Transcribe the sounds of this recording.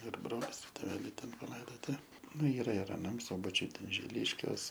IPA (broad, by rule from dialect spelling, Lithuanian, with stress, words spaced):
ɪr ˈbroːlʲɪs ˈtʲeːʋʲɛlʲɛɪ ˈtʲɛn pɐˈlˠɐɪdoːtʲɪ ˈnʊ ˈiːrɐ ɪr ɐˈnɐm ˈsʊbɐt͡ʃʲʊj ˈtʲɛn ʒʲɪˈlʲɪʃʲkʲuɔs